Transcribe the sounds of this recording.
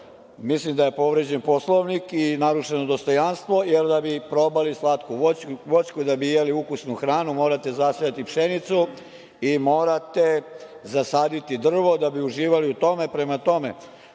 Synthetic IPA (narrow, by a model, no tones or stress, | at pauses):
mislimd̪aje̞po̞ʋɾed͡ʑenpo̞slˠoʋnikinaɾuʃe̞nod̪o̞st̪o̞janst̪ʋo̞jeld̪abipɾo̞balislat̪kuʋo̞t͡ɕkud̪abiijaliukusnuxɾaːnumo̞ːɾat̪e̞zasijat̪ipʃenit̪su | imo̞ːɾat̪e̞zasaːd̪it̪id̪r̩ʋo̞d̪abiuʒiːʋaliut̪o̞me̞pɾe̞mat̪o̞me̞̰